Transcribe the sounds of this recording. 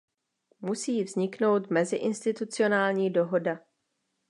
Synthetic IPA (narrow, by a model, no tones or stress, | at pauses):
musiːvzɲɪkno̞wt̪mɛzɪʔɪnst̪ɪt̪ut͡sɪo̞naːlɲiːdo̞ɦo̞da